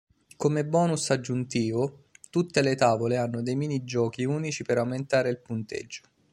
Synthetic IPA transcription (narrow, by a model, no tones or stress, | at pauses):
komebɔːnusad͡ʒːunt̪iːvot̪ut̪ːelet̪aːvoleanːod̪ejmiːnid͡ʒɔːkiuːnit͡ʃipeɾawment̪aːɾeilpunt̪ḛd͡ʒːo̥